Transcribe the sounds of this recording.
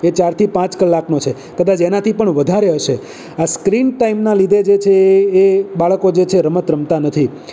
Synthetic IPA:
et͡ʃaɾt̪ʰipãt͡ʃkəlːaknot͡ʃʰe | kəd̪at͡ʃenat̪ʰipəɳʋəd̪ʱaɾeɦəʃe | askɾinʈaimnalid̪ʱed͡ʒet͡ʃʰeː | baɭkod͡ʒet͡ʃʰeɾəmət̪ɾəmt̪anət̪ʰi

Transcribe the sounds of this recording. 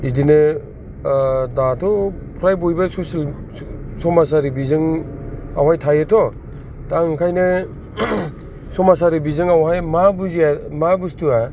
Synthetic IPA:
idinɯ | datʰɔpʰɾajbojbasɔsil | sɔmas̬aɾibizɯŋ | awajtʰajetʰɔ | taŋkʰajnɯ | sɔmasaɾibizɯŋawhajmabuziamabustua

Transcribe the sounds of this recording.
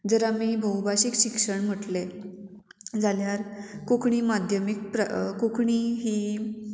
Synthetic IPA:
d͡zəɾamiːbʱəwbaɕikɕikʂəɳm̤əʈle | d͡zaljaɾkokɳiːmad̪ʱjəmik̚pɾ̰kokɳiːɦiː

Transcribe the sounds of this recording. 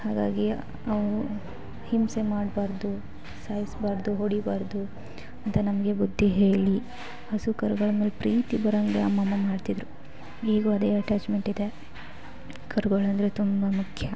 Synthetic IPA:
haːɡa̰ːɡi | ɐʋ | himse̞maːɖbaːɾd̪u | saːjisbaːɾd̪uɦoɽibaːɾd̪u | ɐnt̪ɐnɐmɐɡe̞bud̪ʱːiɦeːɭi | hɐsukɐɾuɡɐɭɐmeːlepɾiːt̪ibɐɾɐŋɡeɐmːɐmːɐmaːɖt̪id̪ɾu | iːɡuɐd̪eːɐʈaːt͡ʃme̞ɳʈid̪e̞ | kʰɐɾuɡɐɭɐnd̪ɐɾet̪umbɐmukʰjɐ

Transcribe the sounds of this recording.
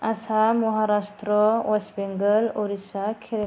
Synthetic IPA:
asamɔɦaɾast̪ɾɔwɔsbeŋɡəloɾisakʰeɾe

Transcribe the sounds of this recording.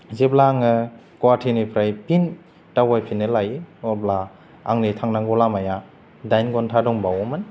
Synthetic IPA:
zep̚laŋɯ | kwatʰinipʰɾajpin | tawajpʰinɯlajɔp̚la | aŋnitʰaŋnaŋɡɔlamaja | dajnɡɔntʰadɔŋbawɔmɯn

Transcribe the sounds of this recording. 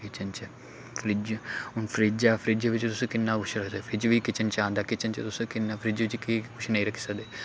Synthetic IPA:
kɪt͡ʃənt͡ʃə | pʰɾiːd͡ʒʊnpʰɾiːd͡ʒaːpʰɾiːd͡ʒaʋɪt͡ʃt̪ʊsẽːkɪnːãːkʊʃʰɾəkʰd̪epʰɾiːd͡ʒʋiːkɪt͡ʃənt͡ʃãːnd̪aːkɪt͡ʃənt͡ʃət̪ʊsẽːkɪnːaːpʰəɾiːd͡ʒʋɪt͡ʃkikʊʃʰnəĩːɾəkʰi̥ːsəkd̪eː

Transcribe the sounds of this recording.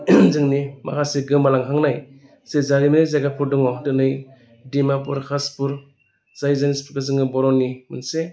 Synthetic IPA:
zɯŋnima̰kʰaseɡɯmːalaŋɦaŋnaj | sezaɾimanɯjzaɡapʰuɾdɔŋɔtɯnɯj | dimapɔɾkʰaspuɾ | zajzanispuɾkazɯŋɯbɔɾɔnːimɯnse

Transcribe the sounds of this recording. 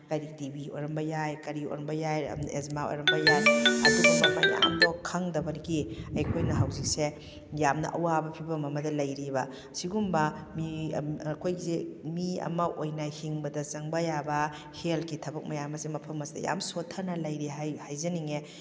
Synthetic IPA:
kɐɾikdibio̰jɾɐmbɐjajkɐɾio̰jɾɐmbɐjaj̰ezmao̰jɾɐmbɐjajɐ̰dubɐmɐmɐja̰mdɔkʰɐŋdɐbɐnkiɐjkʰojnɐɦawzik̚se | jamnɐʔɐwabɐpʰibɐmɐmɐdɐlɐjɾibɐ | siɡumbɐmikʰojɡizemiɐ̰mɐʔojnɐhiŋbɐdɐzɐŋbɐjabɐ | helkitʰɐbɐk̚mɐjamɐsemɐpʰɐmɐsidɐ̰ja̰msotʰːɐɾnɐlɐjɾiɦajhajzɐniŋe

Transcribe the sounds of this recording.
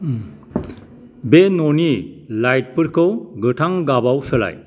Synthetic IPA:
benonilajt̚pɯɾkʰɯwɡɯtʰaŋɡabawsɯla̰j

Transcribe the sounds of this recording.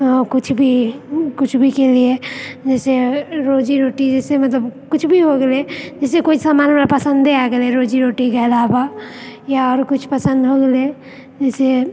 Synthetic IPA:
okʊt͡ʃʰbʱikʊt͡ʃʰbʱikelied͡ʒɛːseɾoːd͡ʒiɾoːʈid͡ʒɛːsemɐt̪ləbkʊt͡ʃʰbʱiɦoɡeled͡ʒɛːsekoisamaːnmapəsə̃nd̪eaɡeleɾoːd͡ʒiɾoːʈikeɐlaːbajaɔːɾkʊt͡ʃʰpəsə̃nd̪ɦoɡəle | d͡ʒɛːse

